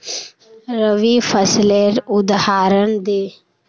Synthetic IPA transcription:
ɾəʋiːfʰəsleːɾʊd̪haːɾənd̪eː

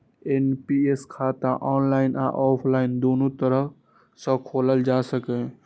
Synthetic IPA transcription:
enpieskʰat̪ãʔɔːnlaɪna̰ʔɔpʰlaɪnd̪onut̪əɾə | sə̃kʰoːləld͡ʒasəkɛ̃

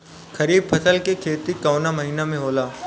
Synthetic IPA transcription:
kɐɾiːb̚pʰɐsəlkekʰeːt̪ikɐʊnamɐɦiːnamẽɦoːlaː

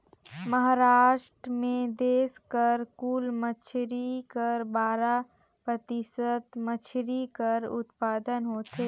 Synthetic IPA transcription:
mɐɦaːɾaːʃʈɾmẽd̪eːskəɾkuːlmət͡ʃʰɾikəɾbaːɾa | pɾət̪ɪsət̪mət͡ʃʰɾikəɾʊ̰t̪paːd̪ənɦoːt̪eː

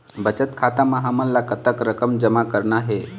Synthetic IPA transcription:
bət͡ʃət̪kʰat̪amãɦəməlːakət̪əkɾəkəmd͡ʒəmakəɾnaɦe

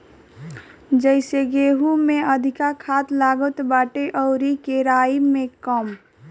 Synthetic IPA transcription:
d͡ʒəɪseɡeːɦumẽəd̪ʱɪkakʰaːt̪laːɡət̪baːʈeʔɔʊɾikeɾaːimẽkəm

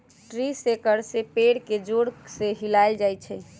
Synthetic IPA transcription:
ʈɾisekəɾsepeɽked͡ʒoɽseɦilaɪld͡ʒajt͡ʃʰɛ

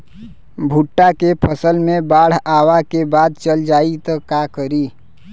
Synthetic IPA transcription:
bʱuʈːakepʰəsəlmẽbaːɽ̤aːwakebaːd̪̚t͡ʃəld͡ʒaːit̪ɔkakəɾiː

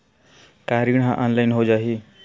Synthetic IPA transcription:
kaɾiɳɦãʔɔnlajnɦod͡ʒaɦiː

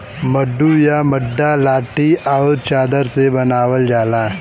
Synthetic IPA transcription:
məɖːujamɐɖːalaːʈiaʊɾt͡ʃaːd̪əɾsebɐnaːʋəld͡ʒaːlaː

